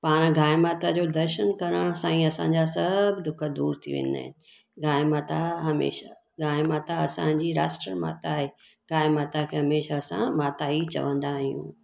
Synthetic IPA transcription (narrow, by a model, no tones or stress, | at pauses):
paːɽ̃ɡʱaːɪmaːt̪ad͡ʑoːd̪ɐɾʃənkɐɾəɽ̃sãːĩɐsãɲd͡ʑasɐbʱd̪ʊkʰəd̪uːɾt̪ʰḭʋḛ̃ːnd̪a̰ːɦɪ̰nɪ̆ | ɡʱaːɪmaːt̪aɦɐmḛːʃa | ɡʱaːɪmaːt̪aɐsã̰d͡ʑiːɾa̰ːsʈɾəɾma̰ːt̪aːɦeː | ɡʱaːɪmaːt̪akʰeɦɐmeːʃaɐsã̰maːt̪aːit͡ɕɐ̰ʋə̃nd̪aːɦijṵ̃ː